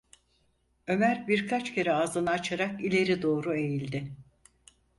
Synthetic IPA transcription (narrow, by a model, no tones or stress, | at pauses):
ø̞mæɾbiɾkʰat͡ʃcʰe̞ɾɛaːzɯnaːt͡ʃʰaɾakilʲe̞ɾid̪o̞ːɾue̞jilʲd̪ɪ